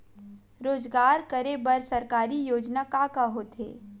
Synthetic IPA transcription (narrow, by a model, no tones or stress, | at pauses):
ɾoːzɡaːɾkəɾebɐɾsɐɾkaːɾijoːd͡ʒnakaːkaɦoːt̪ɦḛː